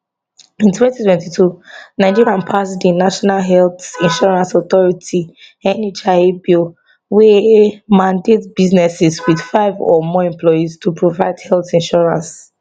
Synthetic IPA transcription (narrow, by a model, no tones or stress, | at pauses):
ĩntʰwɛ̃ntitʰwɛ̃ntitʰunaɪd͡ʒiɹiãnpʰasdĩnaʃɔnalɦɛlθĩnʃɔɹãnsɔθɔɹitʰi | ɛ̃net͡ʃaebil | wɛmãndetbiznɛsɛswið̥faɪvɔ̰mɔɛ̃mplɔjistʰupʰɹovaɪdhɛlθĩnʃɔɹã̰ns